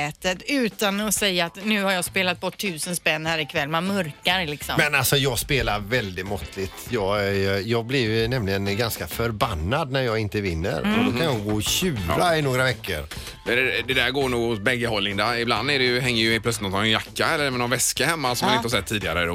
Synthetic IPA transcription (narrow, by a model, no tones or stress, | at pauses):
ɛːt̪ət̪ʉ̟ːt̪anɔsɛjːaːt̪nʉ̟ːhaɾjɑːspeːlat̪̚bɔʈʰːʉ̟ːsənspɛnːhæːɾɪkʰvɛlːmɛmœɾkaɾlɪksɔmɛnalsɔjɑːɡspeːlaɾvɛld̪ɪt̪mɔt̪ːlɪt̪jɑːɡæjɑːɡ̚blɪjnɛmlɪɡənɡanskafœɾbanːad̪næɾjɑːɡɪnt̪əvɪnːə̰ɾɔd̪okʰanjɑɡoːɕʉ̟ːɾaɪnoːɡɾavɛkːə̰ɾ | ɛlɛd̪ɛd̪æɾɡoːɾɳuːɡhʊsbɛɡːəhɔlːɪŋd̪aɪbland̪æɖɛjɵɦɛŋːəɾjɵhelplœt̪sɪt̪nɔt̪ːnɛnjakːaɛlːəɾmɛnɔnvɛskahɛmːasɔmanɪnhasɛt̪ʰːiːd̪ɪa̰ɾə